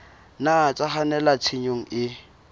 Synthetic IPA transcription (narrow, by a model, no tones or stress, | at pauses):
nat͡sʼaχanɛlat͡sʰiɲoŋ̩ʔɪ